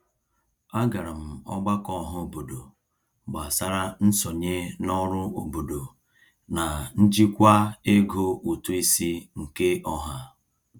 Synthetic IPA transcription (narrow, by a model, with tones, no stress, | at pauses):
a˦ɡa˨ɾa˨m̩˨ɔ̰˦ɡ͡ba˦kɔ˦ɦʊ˦o˨bo˨do˨ | ɡ͡ba˨sa˦ɾa˦n̩˦sɔ˨ɲe˦nɔ˦ɾʊ˦o˨bo˨do˨ | na˨n̩˦d͡ʒi˦kʷa˦e˦ɡo˦ʔu˨tu˦i˦si˦ŋ̩˨ke˦ʔɔ˦ɦa˦